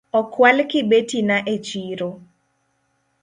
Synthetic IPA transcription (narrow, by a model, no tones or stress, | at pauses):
ɔkwalkɪbetinaʔet͡ʃiɾo